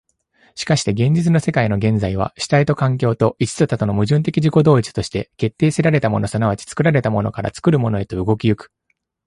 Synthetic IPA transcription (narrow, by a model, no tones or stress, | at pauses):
ɕi̥kaɕi̥t̪e̞ɡẽ̞ɲ̟d͡ʑit͡sɨno̞se̞kaino̞ɡẽ̞nd͡zaiβ̞a̰ɕi̥t̪ait̪o̞kãŋk̬ʲo̞ːt̪o̞ʔit͡ɕi̥t͡sɨt̪at̪o̞no̞mɯ̟ʑɨ̃nt̪̬e̞kʲiʑiko̞d̪o̞ːit͡si̥t̪o̞ɕi̥t̪e̞ke̞t̪ːeːseɾaɾe̞t̪amo̞̰no̞sanaβat͡ɕi̥t͡sɨ̥kɯ̟ɾaɾe̞t̪amo̞no̞̰kaɾa̰t͡sɨ̥kɯ̟ɾɯ̟mo̞no̞e̞t̪o̞ɯ̟ɡo̞kʲijɯkɯ̟̥